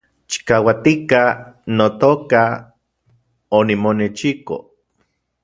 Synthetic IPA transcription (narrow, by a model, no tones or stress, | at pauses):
t͡ʃi̥kawat̪ikanot̪oːka | onimonet͡ʃiko̰